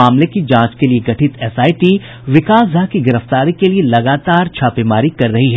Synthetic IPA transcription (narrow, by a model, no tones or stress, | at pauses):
aːmlekid͡ʒãːt͡ʃkelieɡɐʈʰɪt̪ɛsaːiʈiː | ʋɪkaːsd̪ʱaːɦkiɡɪɾəft̪aːɾikelielɐɡaːt̪aːɾt͡ʃʰaːpemaːɾikɐɾːɐɦiɦɛː